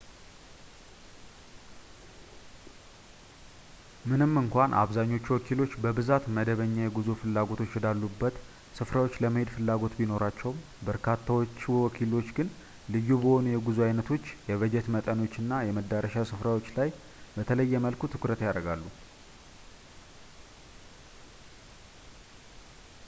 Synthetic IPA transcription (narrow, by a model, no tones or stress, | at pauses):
mɨnɨmːɨŋkʷanʔa̰βzaɲːo̞t͡ʃːuwɔkʰilo̞t͡ʃːbəbɨzat̪məd̪əβəɲːajɛɡuzufɨlːaɡo̞t̪ʰo̞t͡ʃːjɛd̪alːubːət̪ | sɨfɾawo̞t͡ʃːləməhed̪fɨlːaɡo̞t̪bino̞ɾat͡ʃːɛw | bəɾkʰat̪ʰːawot͡ʃːiwɔkʰilo̞t͡ʃːɡɨn | lɨjːubəho̞nujɛɡuzuajnət̪ʰo̞t͡ʃːjɛβəd͡ʒɛt̪mət̪ʼəno̞t͡ʃːɨnːajɛməd̪ːaɾəʃasɨfɾawo̞t͡ʃːlaj | bət̪ʰələjːɛməlkʰut̪ʰɨkɾət̪jaɾəɡalːu